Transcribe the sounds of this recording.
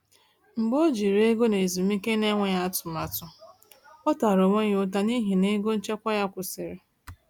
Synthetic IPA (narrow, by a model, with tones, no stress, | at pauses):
ŋ͡m̩˨ɡ͡bo˦d͡ʒi˨ɾe˦ɡo˦ne˨zi˨mi˦ke˦ne˦ŋʷe˦ja˦a˦tʊ˨ma˨tʊ˨ | ɔ˦ta˨ɾo˨wo˦ɲ˦ʊ˦ta˦ni˦ɦi˨ne˦ɡo˦n̩˦t͡ʃe˦kʷa˦ja˦kʷʊ˨sɪ˨ɾe˨